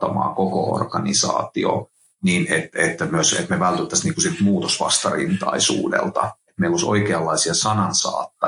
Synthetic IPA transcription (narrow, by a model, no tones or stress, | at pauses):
ɑmɑ̰ːkokoo̰rɡ̥ɑnisɑ̰ːt̪io̰ | niːnet̪et̪ːæmyøsḛt̪meʋælt̪yt̪ːæsniːŋkusilt̪muːt̪osʋɑ̰st̪ɑrḭnt̪ɑisṵːdḛlt̪ɑ̰et̪meilːoso̰ikeɑlːɑisiɑsɑnɑnsɑ̰ːt̪ːɑ